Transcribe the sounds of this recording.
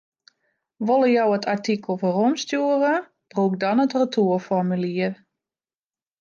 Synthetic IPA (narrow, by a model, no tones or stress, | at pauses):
ʋolˠəjɔwətʰartikəl̩ˠfɔromstjuərə | b̥ruk̚dɔnətrətʰuəfɔmyliər